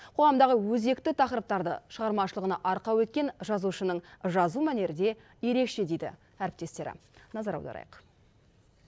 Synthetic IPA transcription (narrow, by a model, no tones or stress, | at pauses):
qʰo̞ʁɑmd̪ɑʁəwɵze̞kt̪ɪt̪ʰɑqɾəp̚t̪ɑɾd̪ə̰ʃəʁɑɾmɑʃəlˠəʁənɑʔɑɾqɑwɵt̪̚kʲe̞nʒɑzuʃənəɴʒɑzumæne̞ɾɪd̪e̞ | je̞ɾe̞kʃe̞d̪e̞jd̪ɪ̰ | æɾɪp̚t̪e̞st̪e̞ɾɪ̰nɑzɑɾɑ̰wd̪ɑ̰ɾɑ̰jəq